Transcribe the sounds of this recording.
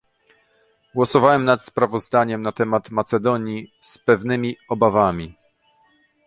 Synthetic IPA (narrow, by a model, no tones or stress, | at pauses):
ɡwɔsɔvawɛmnat̪spɾavɔzd̪aɲɛmnat̪ɛmat̪mat̪sɛd̪ɔɲjispɛvnɘmʲiɔbavamʲi